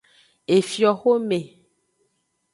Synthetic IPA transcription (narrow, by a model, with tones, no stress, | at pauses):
e˨fjɔ˨xo˦me˨